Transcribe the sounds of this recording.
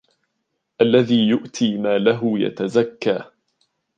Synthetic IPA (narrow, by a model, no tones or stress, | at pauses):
ʔalːaðiːjʊʔt̪ʰiːmaːlaɦʊja̰t̪azakːaː